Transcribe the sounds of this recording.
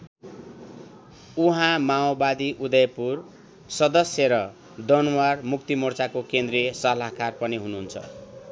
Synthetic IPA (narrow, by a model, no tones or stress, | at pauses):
uɦãmaobad̪iʔud̪ʌjpur | sʌd̪ʌsjʌɾʌ | d̪ʌnwarmukt̪imʌrt͡sakokend̪ɾisʌlaɦkarpʌniɦunuɦunt͡sʰʌ̰